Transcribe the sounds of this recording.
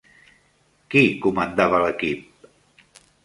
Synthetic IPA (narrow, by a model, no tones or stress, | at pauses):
kikumənd̪aβələkip̚